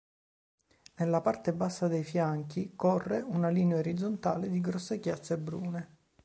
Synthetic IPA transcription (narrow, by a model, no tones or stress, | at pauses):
nelːapart̪ebasːad̪ejfjaŋk̟ikɔrːeunaliːneaoɾid̪zont̪aːled̪iɡɾɔsːekjat̪sːebɾuːne